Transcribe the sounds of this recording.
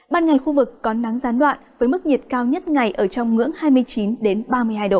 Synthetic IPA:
ɓaː˧nŋa˨˩jxu˧vɨ˨˩kːɔ˨˦na˨˦ŋzaː˨˦nɗwa̰ː˧˨nvəː˨˦jmɨ˦˥k̚ɲi˨˩ət̚kaː˧wɲə˦˥t̚ŋa˨˩jʔəː˧˩t͡ɕɔ˧wŋ͡mŋɨ̰˧˥əŋhaː˧jmɨ˧əjt͡ɕi˨˦nɗe˨˦nɓaː˧mɨ˧əjɦaː˧jɗo̰˧˨

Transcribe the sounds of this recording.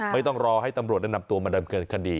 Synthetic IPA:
ma˥˩jt̪ɔ˥˩ŋɾɔː˧ɦa˥˩jt̪a˧mɾu˨˩t̚da˥˩na˧m̚t̪u˧maː˧dɤː˧mkɤː˧nkʰa˧diː˧

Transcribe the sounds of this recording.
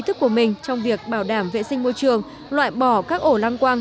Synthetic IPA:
t̪ʰɨ˦˥kːu˧˩əmï˨˩ŋ̟t͡ɕɔ˧wŋ͡mvi˨˩ək̚ɓaː˧˩wɗaː˧˩mvḛ˧˨sï˧ŋ̟mo˧jt͡ɕɨ˨˩əŋ | lwa̰ː˧˨jɓɔ˧˩kaː˦˥k̚ʔo˧˩laː˧ŋkwaː˧n

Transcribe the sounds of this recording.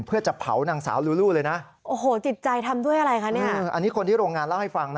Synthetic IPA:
pʰɯ˥˩ɐt͡ɕa˨˩pʰa̰˩˦wnaː˧ŋsa̰ː˩˦wluː˦˥luː˥˩lɤː˧jna˦˥ʔ | ʔoː˨˩ɦoː˩˦t͡ɕi˨˩t̪̚t͡ɕa˧jt̪ʰa˧mdu˥˩əjʔa˧ɾa˧jkʰa˦˥niː˥˩˧ʔa̰˧nːiː˦˥kʰo˧nt̪ʰiː˥˩ɾoː˧ŋaː˧nla˥˩wha˥˩jfa˧ŋn˦

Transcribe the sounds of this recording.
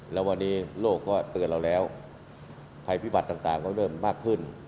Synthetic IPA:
lɛː˦˥wa˧nːiː˦˥loː˥˩kːɔː˥˩t̪ɯ˨˩ənla˧wlɛː˦˥w | pʰa˧jpʰiː˦˥˩ba˨˩t̪ːaː˨˩ŋt̪aː˨˩ŋkɔː˥˩lɤː˥˩mːaː˥˩kʰːɯ˥˩n

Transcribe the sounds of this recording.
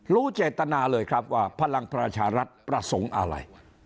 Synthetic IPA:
ɾuː˦˥t͡ɕeː˨˩t̪ːa˧naː˧lɤː˧jkʰɾa˦˥p̚waː˥˩pʰa˧la˧ŋpɾa˧t͡ɕʰaː˧ɾa˦˥t̪̚pɾa˧so˩˦ŋʔa̰˧ɾa̰˧j

